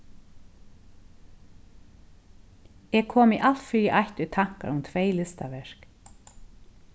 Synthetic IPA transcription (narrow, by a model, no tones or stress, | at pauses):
ɛkʰoːmɪʔal̥t̪fʏɾjɪʔajht̪ʏt̪ʰaŋ̥ka̰ɾʊmt̪ʰveɪlɪst̪aʋɛɹ̥k